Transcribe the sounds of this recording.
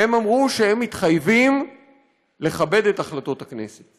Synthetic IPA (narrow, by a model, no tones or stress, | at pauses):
emamʁuʃehe̞mːitχajvim | le̞χabe̞de̞taχlato̞thakne̞̰set